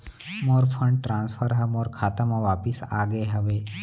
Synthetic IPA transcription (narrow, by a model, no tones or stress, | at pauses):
moːɾpʰə̃ɳɖʈɾãːnspʰəɾɦɐmɔːɾkʰaːt̪amãʋaːpɪsaːɡəeɦɐʋeː